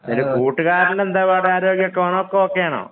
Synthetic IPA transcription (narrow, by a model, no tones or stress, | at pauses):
iɾupuːʈːɨkaːɾillend̪aːʋaːɽeaːɾo̞ːɡjɐkːoːɳɐokːeokːejaːɳo̰ː